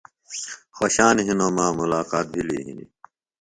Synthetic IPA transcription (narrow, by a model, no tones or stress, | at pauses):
xoɕaːnɦinoːmãːmulaːkaːt̪̚bʱilḭɦḭnḭ